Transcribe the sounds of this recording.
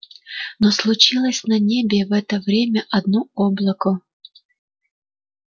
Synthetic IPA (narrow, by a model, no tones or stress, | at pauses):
noslˠʊt͡ɕilˠəsʲnɐnʲebʲɪvɛt̪əvɾʲemʲəʔɐd̪nuoblˠəkʊ